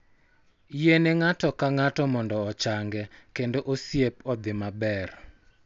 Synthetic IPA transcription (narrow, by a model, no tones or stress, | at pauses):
jeneŋatɔkaŋatɔmɔndɔɔt͡ʃaŋɡɛkendoʔosjepɔd̪ɪmabɛr